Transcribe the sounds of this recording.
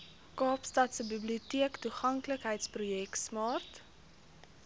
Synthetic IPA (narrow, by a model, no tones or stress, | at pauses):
kɑːpstɐtsəbibliutiəktuχɐŋkləkɦəjtsprujɛksmɑːrt